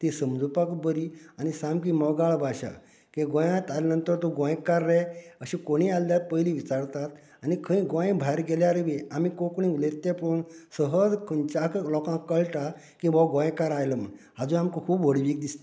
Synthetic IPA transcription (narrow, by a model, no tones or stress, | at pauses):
t̪esəmd͡zupakbəɾianisamkimɔɡaɭbʱaɕa̰ | kẽɡɔ̃jãt̪alanənt̪əɾt̪oɡɔ̃jkaɾːɛəɕĩkoɽ̃ialːjat̪̚pəjliʋit͡saɾt̪at̪ | anikʰə̃ĩɡɔ̃j̃bʱajɾɡɛljaɾʋeamikokɳ̃ĩulet̪ːeponsəɦəd͡zkʰənt͡ɕaklɔkãkːəɭʈa | kĩʋaɡɔ̃j̃kaɾajləm̤ə̰nɦad͡zũamkokʰuːbʋəɽʋiːk̚d̪ist̪